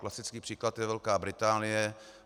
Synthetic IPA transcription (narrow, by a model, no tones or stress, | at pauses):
klasɪt͡skiːpr̥iːklat̪jɛvɛlkaːbɾɪt̪aːnɪjɛ